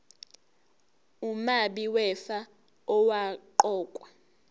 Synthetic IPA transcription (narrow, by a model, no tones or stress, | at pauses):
umaɓiwɛfa | ɔwaǃɔːkʼwa